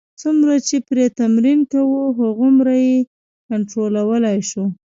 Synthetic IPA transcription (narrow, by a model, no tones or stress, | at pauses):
t͡sumɾat͡ʃepɾet̪amɾinkawuɦaɣʊmɾaje | kaɳʈɾolawəlajʃu